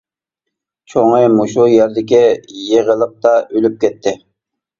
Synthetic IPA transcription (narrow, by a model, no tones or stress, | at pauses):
t͡ʃʰoŋɨmoʃujɛɾd̪ɪk̬ʲijeʁəlˠəq̚t̪ɑʔølyp̚kʲɛt̪ʰːɪ